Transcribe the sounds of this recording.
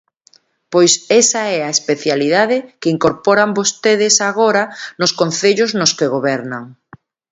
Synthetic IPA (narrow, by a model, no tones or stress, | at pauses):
pojsɛsaɛaespeθjaliðaðɪkɪiŋkoɾpɔɾambost̪eðɪsaɣoɾanʊskon̟θeʎʊznʊskeɣoβɛɾnaŋ